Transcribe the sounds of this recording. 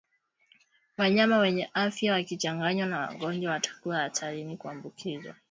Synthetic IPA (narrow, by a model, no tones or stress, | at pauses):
waɲamawɛɲɛʔafjawakit͡ʃaŋɡaɲwanawa̰ɠɔnd͡ʒwawatḁkuaːtʰaɾinikuambukʰizwa̰